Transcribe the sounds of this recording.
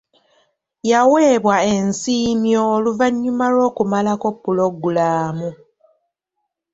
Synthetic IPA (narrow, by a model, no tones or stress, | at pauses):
jaweːβwae̞nsiːmjo̞ːluvaɲːumalo̞ːkumalako̞pːulo̞ɡulaːmu